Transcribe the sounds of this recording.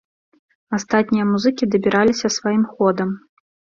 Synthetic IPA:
ast̪at̪̚ʲnʲijɐmuzɨkʲid̪ɐbʲiɾʔalʲisʲɐsvajimxɔd̪ɐm

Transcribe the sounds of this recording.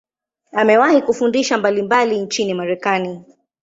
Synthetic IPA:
amɛwahikufundiʃambalimbalint͡ʃinimaɾɛkani

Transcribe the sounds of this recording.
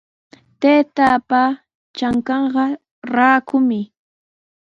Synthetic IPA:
t̪eːt̪apa | t͡ʃaŋkɑɴɢɑ | ɾaːkʊmɪ

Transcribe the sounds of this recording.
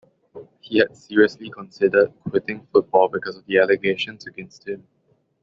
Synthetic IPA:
hihɛd̥siɹiəslikʰɔ̃nsɪdəd̚kʰwɪtɪ̃ŋfʊt̚b̥ɔlˠbikɔsɔvd̪iɛləɡeʃə̃nsəɡɛ̃nst̚hɪ̃m

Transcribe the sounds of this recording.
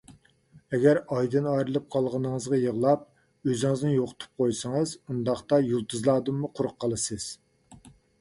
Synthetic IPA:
ɛɡʲæɾɑjd̪ɨnɑjɾɨlˠɨp̚qʰɑlˠʁɑnɨŋɨzʁɑjəʁlˠɑp̚ | øzɪŋɪznɪjoqʰʊ̥t̪ʰu̥p̚qʰojsɨŋɨzund̪ɑχt̪ɑjulˠt̪ʰɨzlˠɑːd̪ɨmːuqʰʊɾʊqqːɑlˠɨsɨz̥

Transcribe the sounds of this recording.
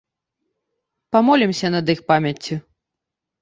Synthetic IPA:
pamɔlʲimsʲɐnɐd̪ɨxpamʲɐt͡sʲːi

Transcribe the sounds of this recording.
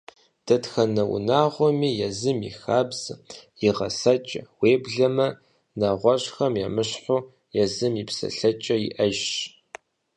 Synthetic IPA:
d̥ɐtxɐnɐwʊ̰naːʁʷɔmiːjɛzɨmḭxaːbz̥jiʁɐ̰sɐt͡ʃʼɐ̰weːbɮɐmɐ | nɐʁʷɔɕxɐmjɛmɨɕħʷʊ | jɛzɨmjipsɐ̰ɬɐt͡ʃʼɐjḭʔɐʒɕ

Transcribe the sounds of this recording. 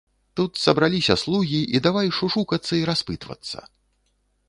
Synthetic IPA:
t̪ut̪sɐbɾalʲisʲɐslˠuɣʲiid̪avajʂuʂukɐt̪sːɐiɾaspɨt̪vɐ̰t̪sːɐ̰

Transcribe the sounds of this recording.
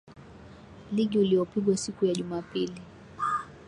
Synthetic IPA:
liɠiuliɔpiɠwasikujaʄumaːpili

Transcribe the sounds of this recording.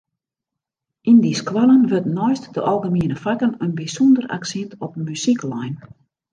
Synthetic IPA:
indiskʋalənʋøtnɔjstdəʔɔlˠɣəmiənəfakənənbisɔndəra̰ksintʰɔpmysiklajn

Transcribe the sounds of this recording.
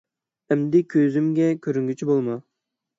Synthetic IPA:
ɛmd̪ɪkʲʰøzymɡʲɛkʲʰøɾyŋɡʲyt͡ʃʰibolˠmɑ

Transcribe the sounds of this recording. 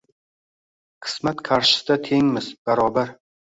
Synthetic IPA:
qʰɨ̥smat̪kʰaɾʃɪ̥st̪at̪ʰe̞ŋmɪzb̥aɾɒbaɾ

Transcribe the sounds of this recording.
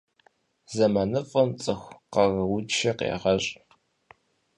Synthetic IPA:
zɐmɐnɨfʼɐmt͡sʼɨxʷqɐrwʊt͡ʃʰɐqḛːʁɐɕʼ

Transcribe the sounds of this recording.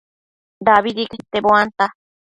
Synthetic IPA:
d̪aβid̪iket̪eboant̪a

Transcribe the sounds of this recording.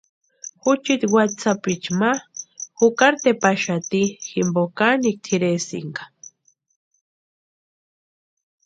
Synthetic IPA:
xut͡ʃit̪wat̪t͡sapit͡ʃmaxukaɾt̪epaʃat̪iximbokanik̚t̪ʰiɾesḭŋɡḁ

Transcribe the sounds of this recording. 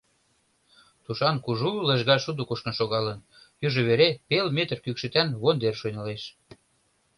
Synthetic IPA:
t̪uʃɑnkuʒulə̆ʒɣɑʃud̪ukuʃkə̆nʃoɣɑlən | jyʒɤ̆βeɾepelmet̪ərkykʃɘ̆t̪ænβond̪erʃonɑleʃ

